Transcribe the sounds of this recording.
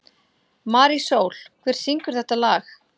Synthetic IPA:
maːɾisoːwl̥kʰvɛːɾ̥siŋkʏɾ̥θɛht̪alaːx

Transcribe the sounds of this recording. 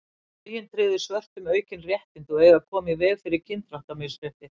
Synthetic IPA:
ɾjɪnt̪ʰɾɪːðɪ̥svœr̥t̪ʏmœːɥcɪnrjɛht̪ɪnt̪ɔɣɛːɣakʰɔːmɪvɛːɣfɪɾɪɾcʰɪnt̪ɾaht̪amɛsɾɛht̪ɪ

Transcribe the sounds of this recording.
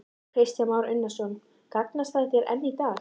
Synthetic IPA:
kɾ̥ɪst̪jamaːwɾʏnːasɔn | kaknast̪θaðθjɛɾʔɛ̰nːit̪aː

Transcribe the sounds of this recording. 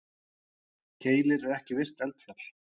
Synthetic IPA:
cʰeːjlɪɾɛɾɛhcɪvɪr̥t̪ɛlt̪fal̥

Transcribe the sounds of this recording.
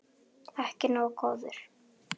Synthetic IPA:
ɛhcɪnaɔkʰɔːðʏɾ̥

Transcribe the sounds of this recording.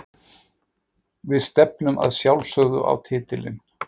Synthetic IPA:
vɪðst̪ɛpnʏmʔa̰ðsjawlsœɣðʏʔa̰wt̪ʰɪːt̪ɪlɪ̰n

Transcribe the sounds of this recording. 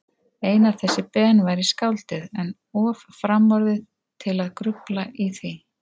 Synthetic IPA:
eːjnav̥θɛsːɪpɛːnvajɾiskawlt̪ɪðɛn | ɔːvafɾamɔɾðɪ | t̪ʰɪlaðkɾʏplaʔiθi

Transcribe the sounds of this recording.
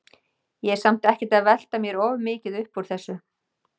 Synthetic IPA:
jɛsam̥t̪ɛhcɛt̪aðvɛl̥t̪amjɛɾɔːvmɪːcɪðʏhpɔɾ̥θɛsːʏ

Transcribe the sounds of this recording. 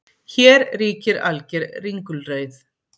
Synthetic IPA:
çɛːɾriːcɪɾa̰lcɛɾriŋkʏlrœːɥθ

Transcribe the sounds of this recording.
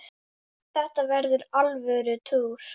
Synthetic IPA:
θɛht̪avɛɾðʏɾalvœːɾʏt̪ʰuːɾ̥

